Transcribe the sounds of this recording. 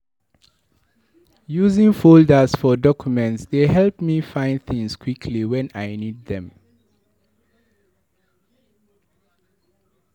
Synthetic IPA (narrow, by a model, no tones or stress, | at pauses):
juzĩŋfoldəsfɔdɔkʰjumɛ̃ntsd̪eɦɛlpmifãɪ̃ndθĩŋskʰwikʰliwɛ̃najnid̚ðɛ̃m